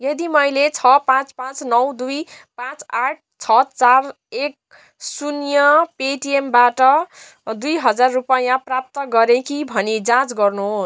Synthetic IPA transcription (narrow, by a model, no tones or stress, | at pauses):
jʌd̪imʌjlet͡sʰʌpãt͡spãt͡snʌwd̪ujpãt͡saʈ̚ʰt͡sʰʌt͡sar | ek̚ | sunjʌpeʈiembaʈʌ | d̪ujɦʌd͡zarːupajãprap̚t̪ʌɡʌɾekibʱʌnid͡zãt͡sɡʌrnuɦos